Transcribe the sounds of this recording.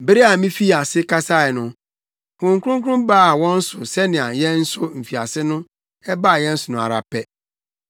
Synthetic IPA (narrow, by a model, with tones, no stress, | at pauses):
be˦ɾe˦a˨mĩ˦fi˦˨a˨sɪ˦kʰa˦sa˦ɪ˨nʊ̃˦ | kʰʊ̃˨ŋ˦kʰʊ˦ʊ̃˦ŋkʰʊ˦ʊ̃˦mbaː˦˨wɔ̃˦n̩˦sʊ˨sɛ˦nɪ̃˨a˨jɛ̃˦n̩˦sʊ˦m̩˨fi˨a̰˨sɪ˦nʊ̃˦ | ɛ˦ba˦˨jɛ̃˦n̩˦sʊ˨nʊ̃˨a̰˨ɾa̰˨pʰɛ˦